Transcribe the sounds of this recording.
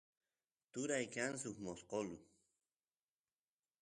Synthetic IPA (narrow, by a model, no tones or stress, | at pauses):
t̪ʊɾajkans̬ʊkmosqolʊ